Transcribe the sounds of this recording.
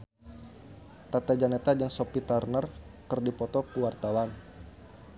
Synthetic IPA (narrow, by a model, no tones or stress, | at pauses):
t̪at̪ad͡ʒanet̪ad͡ʒaŋsɔpit̪arnərkərdipɔt̪ɔkuwart̪awan